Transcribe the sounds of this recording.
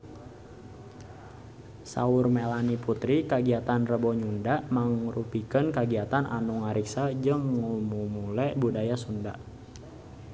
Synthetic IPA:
sa̰ʊrmelaniput̪ɾikaɡiat̪anrəbɔɲundamaŋrupikənkaɡiat̪anʔa̰nuŋaɾiksad͡ʒɨŋːumumulɛbudajasunda̰ʔ

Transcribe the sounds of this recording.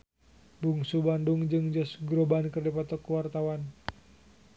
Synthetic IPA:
duŋsubanduŋd͡ʒɨŋd͡ʒɔsɡɾobankɨrdipɔt̪ɔkuwart̪awan

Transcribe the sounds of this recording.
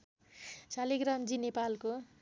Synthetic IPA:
saliɡramd͡zinepalko

